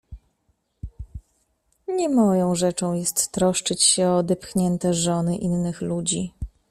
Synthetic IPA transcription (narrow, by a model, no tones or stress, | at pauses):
ɲɛmɔjɔ̃w̃ʐɛt͡ʂɔ̃w̃jɛst̪ːɾɔʂt͡ʂɘt͡ɕɕɛɔd̪ɛpxɲɛnt̪ɛʐɔnɘʔinːɘxlud͡ʑi